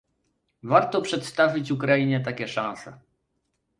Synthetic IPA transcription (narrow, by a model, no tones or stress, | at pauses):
vaɾt̪ɔpʂɛt̪st̪avʲit͡ɕukɾaiɲɛt̪̬akʲɛʂãñsɛ